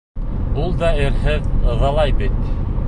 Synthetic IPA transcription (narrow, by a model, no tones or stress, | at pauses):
ulˠd̪ɑɘ̆ɾɦɘðɤ̆ðɑlˠɑjbit̪